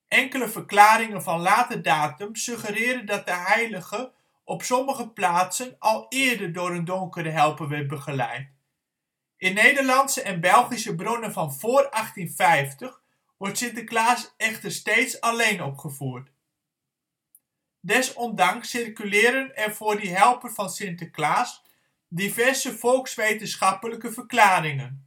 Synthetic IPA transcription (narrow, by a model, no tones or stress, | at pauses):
ʔɛŋkələvərklaːɾɪŋənvɑnlaːtədaːtəmsøχəɾɪːdəndɑt̚dəɦɛjləɣə | ʔɔpsɔməχəplaːtsənɑlˠɪːəɹdədʊːɾəndɔŋkərəɦɛlˠpəʋɛt̚bəχəlɛ̰jt | ʔɪnːejdərlɑntsəʔɛnbɛlˠχisəbronənvɑnv̥oːrɑχtinfɛjftəχ | ʋɔɹtsɪntəklaːsɛχtəɹstejtsɑlejnɔpχəvuːɹt | dɛsɔndɑŋsɪrkylɪːɾənɛnvʊːɹdiɦɛlˠpənvɑnsɪntəklaːs | divɛɹsəfɔlˠksʋejtənsχɑpələkəvəɹklaːɾɪŋən